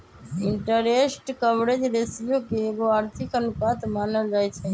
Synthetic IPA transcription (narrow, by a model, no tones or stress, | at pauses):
ɪ̃ɳʈəɾeːsʈkəʋɾed͡ʒɾeːsjõkeɡoaːɾt̪ʰɪkənʊkaːt̪maːnəld͡ʒaːet͡ʃʰeː